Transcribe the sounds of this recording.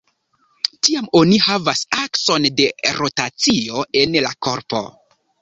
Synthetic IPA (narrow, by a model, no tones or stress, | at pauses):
tiamo̞nihavasakso̞nde̞ɾo̞tat͡sio̞e̞nlako̞ɾpo̞̰